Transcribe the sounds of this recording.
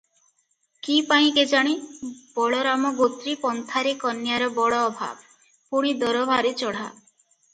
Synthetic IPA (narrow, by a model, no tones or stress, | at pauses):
kipaĩked͡ʒaɽ̃ib̥ɔɭɔɾamɔɡot̪ɾipɔnt̪ʰaɾekɔnjaɾɔbɔɽɔːbʱa̰b | puɽ̃id̪ɔɾɔbʱaɾet͡ʃɔɽ̤a̰